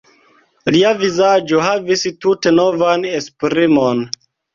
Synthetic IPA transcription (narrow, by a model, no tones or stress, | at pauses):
liavizad͡ʒo̞ɦavistute̞no̞vanespɾimo̞n